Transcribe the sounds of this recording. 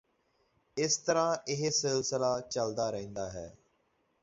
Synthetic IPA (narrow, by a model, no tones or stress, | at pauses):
ɪst̪əɾãːɪɦsɪlsɪlaːt͡ʃəld̪aːɾəɦĩːnd̪aːɦɛ̰ː